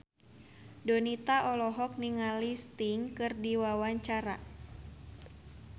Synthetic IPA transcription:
dɔnit̪aʔɔlɔɦɔk̚niŋalist̪iŋkɨrdiwawaɲt͡ʃaɾa

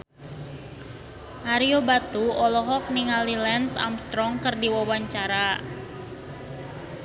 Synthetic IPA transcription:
ʔaɾiobat̪uɔlɔɦɔk̚niŋalilɛnsa̰mst̪ɾɔŋkərdiwawaɲt͡ʃaɾa

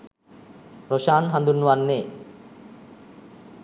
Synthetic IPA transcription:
ɾoʃaːnɦand̪unːuʋanːeː

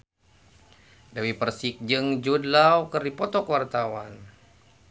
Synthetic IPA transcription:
dawipərsik̚d͡ʒɨŋd͡ʒudlawkərdipɔt̪ɔkəwart̪awan

